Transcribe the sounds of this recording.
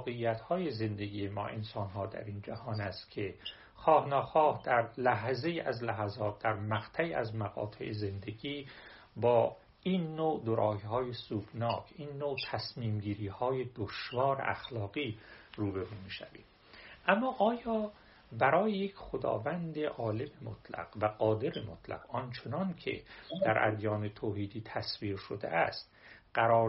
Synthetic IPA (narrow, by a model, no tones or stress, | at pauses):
ɒːɣe̞ijæt̪hɒːje̞ze̞nd̪e̞ɡiːjemɒ̰ːʔe̞̰nsɒːnɦɒːd̪æ̰ɾiːnd͡ʒæhɒːnæst̪kʰe | xɒːhnɒːxɒːhd̪̥æɾlæɦze̞iːʔæzlæɦæzɒːt̪̚ʰd̪æɾmæɡt̪ʰæiːæzmæɣɒ̰ːt̪ʰḛʔeze̞nd̪eɡiː | bɒː | ʔinːoːd̪oɾʔɒːhihɒːjesuːbnɒːkʰiːnːoːt̪ʰæsmiːmɟiːɾiːhɒːje̞d̪oʃvɒːɾḛʔæxlɒːɣiːruːbeɾuːmiːʃæ̰vḭːd | ʔæmːɒːʔɒːjɒː | bæɾɒːjejekʰχod̪ɒ̰ːvænd̪eʔɒːle̞memot̪ʰlæ̰ɡ̥væɡɒːd̪e̞ɾemot̪ʰlæ̰ɡɒnt͡ʃʰe̞nɒncʰḛd̪æɾʔæ̰d̪jɒːnet̪ʰoːhiːd̪iːt̪ʰæsviːɾʃod̪ḛʔæst̪ | ɢ̥æɾɒːɾ